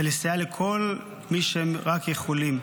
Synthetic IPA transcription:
elisejalekʰo̞l | miʃemʁakjeχolim

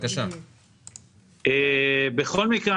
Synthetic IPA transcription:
kaʃa | ebeχo̞lmikʁe

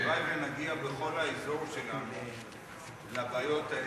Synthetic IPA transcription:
ʁajvenaɡiabeχo̞laezo̞ʁʃelanu | labaːjo̞ta

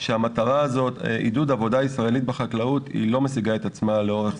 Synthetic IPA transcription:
ʃeamataʁaːzo̞tʔḭdudavo̞daisʁae̞lit̪̚beχaklautḭlo̞mesiɡaet̪at͡smaleoʁe

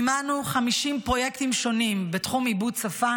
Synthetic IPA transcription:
manuχamiʃimpʁo̞je̞kt̪imʃo̞nimbet̪χumibudt͡safa

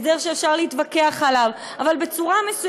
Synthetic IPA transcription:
deʁʃeːfʃaʁliit̪vake̞aχalav | avalbe̞t͡suʁamesu

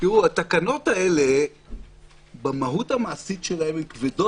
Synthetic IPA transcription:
kiʁuat̪akano̞t̪ae̞le̞ | bamaɦut̪amaːsit̪ʃelahememkvedo

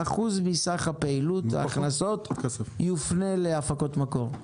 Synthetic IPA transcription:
aχuzbisaχapeilut̪a̰ːχnaso̞tesjufneleafako̞t̪mako̞ʁ

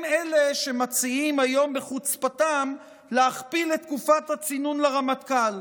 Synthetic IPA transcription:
mele̞ʃe̞mat͡siimajo̞mbeχut͡spatam | leaχpiletːkufathat͡sinunleʁamat̪kal

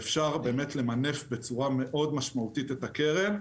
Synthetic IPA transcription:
fʃaʁbe̞ːme̞tle̞mane̞fbe̞t͡suʁame̞ʔo̞dmaʃmautitetake̞ʁe̞n

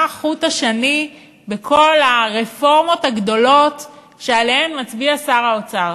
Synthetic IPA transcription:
χutaʃani | bekʰo̞laʁefo̞ʁmo̞thaɡdo̞lo̞t | ʃealehemmat͡sbiasaʁaot͡saʁ

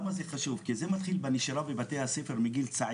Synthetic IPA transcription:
mazeχaʃuvkizemat̪χilbeniʃaɾavebat̪ehasefeɾmiɡilt͡saʕ

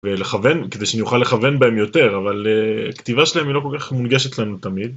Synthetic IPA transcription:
vele̞χave̞nked̪ejʃanijuχalːeχave̞nbae̞mjo̞t̪e̞ʁavaleakt̪ivaʃelaemilo̞k̬o̞lkaχmunɡe̞ʃet̪lanut̪amid̪̚

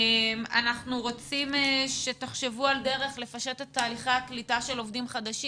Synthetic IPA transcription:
ma̰naχnuʁo̞t͡simeʃe̞teχʃe̞vualde̞ʁe̞χle̞faʃe̞tetːaːliχaaklitaʃe̞lo̞vdimχadaʃi

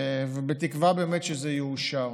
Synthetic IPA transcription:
vebet̪ikvabeːmet̪ʃezɛjɛuʃaʁ

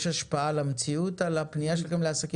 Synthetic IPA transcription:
ʃaʃpaalamet͡siutalapnijaʃelχemleasaki

